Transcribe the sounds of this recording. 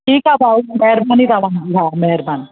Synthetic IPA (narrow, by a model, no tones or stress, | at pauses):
ʈʰiːkabaumeɦɾbanit̪aʋanɡiɦamɛɦɾbaːn